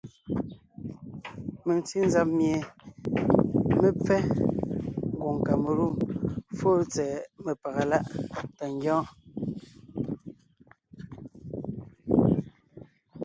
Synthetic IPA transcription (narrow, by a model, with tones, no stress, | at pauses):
me˨ŋti˦n̩˦za˦p̚mje˨ | me˨p͡fɛ˦ | ŋ˨ɡwo˨ŋ˨ka˨me˨ɾu˦˨mfo˦t͡sɛː˨me˨pa˨ɣa˨la˦ʔta˨ŋ˦ɡjɔ̃ː˦